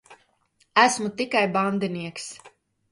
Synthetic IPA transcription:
æsmut̪ikajband̪iniɛks

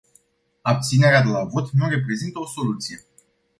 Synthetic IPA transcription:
ap̚t̪sine̞ɾead̪e̞lavo̞t̪nure̞p̬ɾe̞zint̪əo̞so̞lut̪sije̞

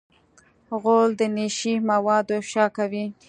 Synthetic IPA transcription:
ɣold̪əniʃimawɑd̪ofʃɑkawi

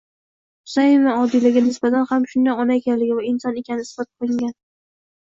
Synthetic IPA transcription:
ʊ̥sajɪmaɒd̪ilaɡʲanɪsbat̪ʰanhamʃʊnd̪anɒnaekʲanlɪɡʲɪvaɪnsɒnekʲanɪɪsbɒt̪̚qʰolˠɪŋɡʲan

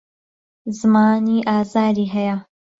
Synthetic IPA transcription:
zɨmaːniːʔaːzaːɾiːɦɐjɐ

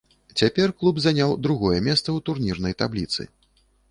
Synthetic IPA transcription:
t͡sʲapʲɛrklˠubzanʲawd̪ɾuɣɔjɛmʲɛst̪sɐwt̪urnʲirnɐjt̪ablʲit̪sɨ̰

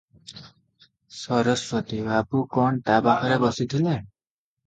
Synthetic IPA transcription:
sʌɾʌswʌt̪ibapukɔɳt̪abahɔɾebɔsit̪ʰile

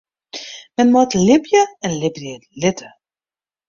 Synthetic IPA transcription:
mɛnmɔtlɪpjəɛnlɪbəlɪtʰə

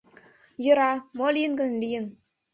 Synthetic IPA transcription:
jə̆ɾɑmolʲijənɡə̆nlʲijə̆n

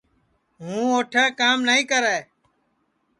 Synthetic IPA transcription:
ɦũːoːʈʰeːkaːmnəĩːkəɾɛː

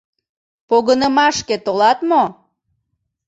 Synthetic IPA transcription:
poɣənəmɑʃket̪olɑt̪mo

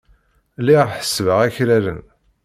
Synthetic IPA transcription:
lːiʁħə̥sːvəʁæçɾælə̰n

